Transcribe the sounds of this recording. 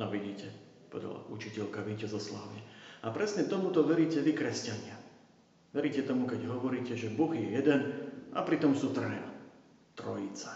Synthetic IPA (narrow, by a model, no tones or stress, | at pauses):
nɔʋiɟiːcɛ | pɔ̰ʋɛ̰d̪a̰la̰ʔut͡ʃicɛʎkaʋicɛzɔslaːʋɪɛapɾɛsɲɛt̪ɔmut̪ɔʋɛɾiːcɛʋikɾɛscaɲɪa | ʋɛɾiːcɛt̪ɔmukɛɟɦɔʋɔɾiːcɛʒɛbɔɣjɛjɛd̪ɛna̰pɾit̪ɔmsuːt̪ɾɛːna | t̪ɾɔjit͡sḁ